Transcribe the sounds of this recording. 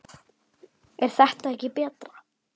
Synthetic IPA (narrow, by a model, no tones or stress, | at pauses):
ɛɾ̥θɛht̪aɛhcɪpɛːt̪ɾa